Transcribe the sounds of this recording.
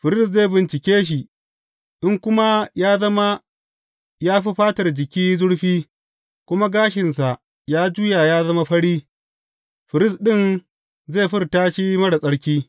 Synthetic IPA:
ɸɪ˨ɾɪ˦sze˦˨bɪ˨nt͡ʃɪ˨kʲeː˦ʃ̬i˨ | ʔɪ˦ŋkʷʊ˦ma˦jaː˦zɐ˦ma˦ | jaː˦ɸi˦ɸaː˦tɐ˨rd͡ʒɪ˨kʲiː˦zʊ˦ɽɸiː˦ | kʷʊ˦ma˦ɡaː˦ʃɪ˨nsa˨ʔ | jaː˦d͡ʒu˦ja˨jaː˦zɐ˦ma˦ɸɐ˦ɽiː˦ | ɸɪ˨ɾɪ˦sɗɪ˦˨n | zeː˦˨ɸɪ˦rtaː˦ʃi˦mɐ˦ɽa˨sʼɐ˦ɽkʲiː˦

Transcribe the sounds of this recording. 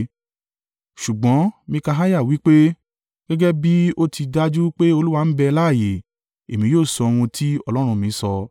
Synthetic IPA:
ʃu˨ɡ͡bɔ̃˨˦mĩ˧ka˧ɦa˦ja˦˨wi˦k͡pe˦ | ɡ̥ɛ˦ɡɛ˦bi˦o˦ti˧da˦d͡ʒu˦k͡pe˦o˧lu˦wa˧n̩˦bɛ˧la˦˨je˨ | e˨mĩ˨˦joː˦˨sɔ˧w̃ũ˧tʰi˦ɔ˦lɔ˦ɾ̃ũ˧mĩ˨˧˦sɔ˧

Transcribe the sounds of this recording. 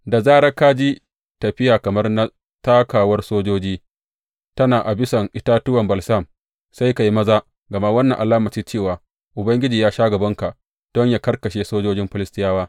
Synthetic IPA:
da˨zaː˦ɾa˦kaː˦d͡ʒi˦ | tɐ˨ɸɪ˦jaː˨kɐ˨mɐ˦rna˦ | taː˦kaː˨wɐ˦rsoː˦d͡ʒoː˦d͡ʒiː˦ | tɐ˦naː˨ʔa˨bɪ˦sɐ˨ŋʔɪ˦taː˦tʊ˦wɐ˨mbɐ˨lsa˦˨m | sa˦jka˨ji˦mɐ˦zaː˦ | ɡɐ˨ma˦wɐ˦nːɐ˨ʔa˨laː˦mɐ˨t͡ʃiː˦t͡ʃeː˦˨waː˨ | ʔʊ˨bɐ˦ŋɡʲɪ˦d͡ʒiː˨jaː˦ʃaː˦ɡɐ˨bɐ˦ŋka˨ʔ | d̥ɔ˦ɲjaː˨kɐ˦rkɐ˨ʃeː˦soː˦d͡ʒoː˦d͡ʒɪ˦mɸɪ˦lɪ˦stɪ˦jaː˦waː˦

